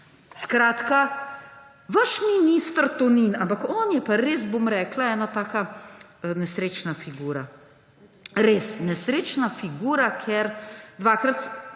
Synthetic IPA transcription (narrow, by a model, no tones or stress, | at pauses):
skɾaːt̪ka | ʋaʃminist̪ɾt̪ɔninampakɔːnjɛpaɾeːz̬bomɾɛːklaɛːnat̪aːka | nɛsɾeːt͡ʃnafiɡuːɾa | ɾeːsnɛsɾeːt͡ʃnafiɡuːɾakʰeɾd̪ʋaːkɾat̪